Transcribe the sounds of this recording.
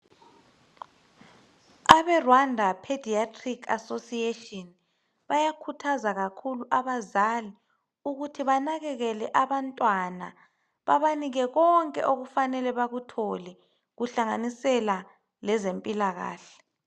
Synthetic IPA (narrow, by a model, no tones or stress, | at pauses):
aβɛrwandʱapʰedʱiatʰʼrikʰa̰sosietʼɔn | βajakʰutʰazaɣakʰuluʔaβazali | uɣutʰiβanaɣɛɣɛlɛʔaβantʼwana̰ | βaβaniɣɛɣɔŋkʼɛ̰ʔoɣufanɛlɛβaɣutʰɔlɛ | ɣuɬaŋanisɛla | lɛzempʼilaɣa̰ːɬɛ̥